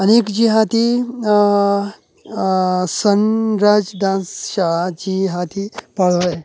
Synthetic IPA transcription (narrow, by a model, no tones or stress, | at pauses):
ənekd͡ʑiɦat̪i | sənɾad͡zɖãnsɕad͡ʑiɦat̪ʰipaɭʋə